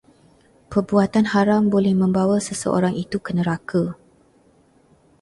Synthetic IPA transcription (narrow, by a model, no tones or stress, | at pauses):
pərbuat̪anhaɾambolɛhmə̃mbawasəsə̰ʔo̰ɾaŋit̪ukənəɾaka